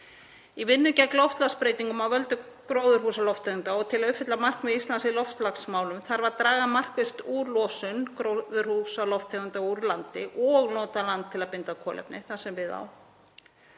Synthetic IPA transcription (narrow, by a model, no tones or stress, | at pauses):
ivɪnːʏcɛklɔft̪laspɾeːjt̪iŋkʏmawvœlt̪ʏkɾoːwðʏɾ̥husalɔft̪ʰɛɣʏnt̪aɔt̪ʰɪlaðʏpfɪt̪lamar̥knvɛðist̪lansɪlɔft̪laksmaːwlʏmθaɾvaɾt̪ɾaːɣamar̥kvɪst̪uːɾlɔsʏnkɾowðʏɾ̥husalɔft̪ʰeɣʏnt̪auɾlant̪ɪʔɔɣnɔːt̪alant̪ʰːɪlaðpɪnt̪akʰɔːlɛ̰pnɪ̰θasɛmvɪða̰w